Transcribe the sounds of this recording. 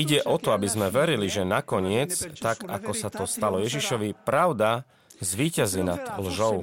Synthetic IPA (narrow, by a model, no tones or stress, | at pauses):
iɟɛʔɔt̪ɔabizmɛʋɛɾiliʒɛnakɔɲɪɛt͡st̪aka̰kɔsat̪ɔst̪alɔjɛʒiʃɔʋipɾaʊd̪a | zʋiːcazinad̪lʒɔʊ